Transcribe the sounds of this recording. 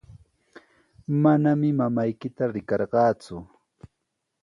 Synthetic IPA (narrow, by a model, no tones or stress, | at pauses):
manamɪmamajkɪt̪aɾɪkɑɾɢɑːt͡sʊ